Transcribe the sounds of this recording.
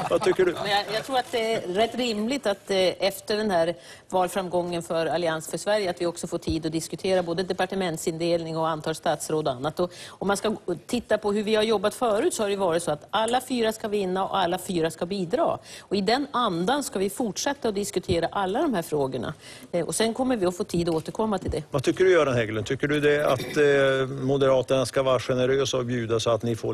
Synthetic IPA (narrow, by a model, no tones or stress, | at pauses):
vat̪ʰʏkːəɖɵmɛjjɑt̪ʰɾuːɾat̪̚d̪ɛæːɛt̪ːɾɪmlɪɡt̪at̪ɛft̪əɖɛnhæːɾ | vɑːlfɾamɡɔŋːənfœɾalɪansfœʂvæɾjəat̪vɪɔksɔfoːʈʰiːd̪ɔd̪ɪskɵt̪ʰeːɾaboːd̪əd̪ɛpaʈəmɛnt̪sɪnd̪eːlnɪŋɔant̪ʰɑːlst̪ɑːt̪sɾoːd̪ɔa̰nːat̪ɔɔmːanskat̪ʰɪt̪ːapʰɔɦɵɾvɪhaɾjɔbːat̪fœːɾʉ̟ːt̪sɔhaɖɛjɵvɑːɾɪt̪sɔat̪alːafyːɾaskavɪnːaɔ̰ʔalːafyːɾaskabiːd̪ɾɑ̰ːɔɪd̪ɛnand̪anskavɪfʊʈʂɛt̪ːaɔd̪ɪskɵt̪ʰeːɾaʔalːad̪ɔmhæːɾfɾoːɡəɳa̰ɔ̰sɛnkʰɔmːəɾvɪɔfoːt̪ʰiːd̪ɔoːt̪əɾkʰɔmːat̪ʰɪld̪ɛvat̪ʰʏkːəɖɵjœːɖɛnɦɛɡlənt̪ʰʏkːəɖɵd̪ɛat̪ | mʊd̪əɾɑːt̪əɳaskavɑːɾaɧɛnəɾøːsaɔbjʉːd̪asɔat̪nɪfo̰ː